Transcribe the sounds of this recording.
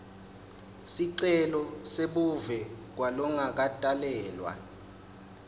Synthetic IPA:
siǀɛlɔseɓuvɛk̬walɔŋak̬atʼalɛːlwa̰

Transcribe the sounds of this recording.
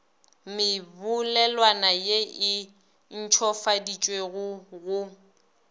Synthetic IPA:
mɪbʊlɛlwanajeɪ | n̩t͡ʃʰɔfadit͡ʃʼweɣʊɣʊ

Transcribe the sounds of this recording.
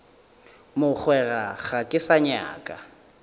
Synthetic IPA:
mʊk͡xʰwɛraɣakʼɪsaɲa̰ːkʼa

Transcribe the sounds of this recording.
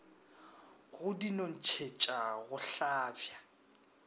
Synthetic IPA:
ɣʊdinon̩t͡ʃʰet͡ʃʼaɣʊɬaːbja

